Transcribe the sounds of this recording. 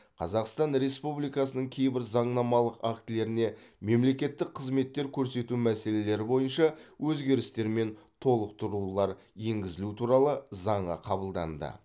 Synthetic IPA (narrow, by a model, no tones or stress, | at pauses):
qʰɑ̰zɑqst̪ɑnɾe̞spublˠijkɑsənəɴkʲʰe̞jbɪɾzɑɴnɑmɑlˠəqɑkt̪ɪle̞ɾɪne̞me̞mle̞kʲe̞t̪ːɪk̚qʰəzme̞t̪ːe̞ɾkʲʰɵɾse̞t̪umæse̞le̞le̞ɾɪbo̞jənʃɑwɵzɡʲe̞ɾɪst̪e̞ɾme̞nt̪ʰo̞lˠəqt̪ʰʊɾulˠɑɾ | je̞ŋɡʲɪzɪlut̪ʰuɾɑlˠəzɑɴə̰qʰɑbəlˠd̪ɑ̰nd̪ə̰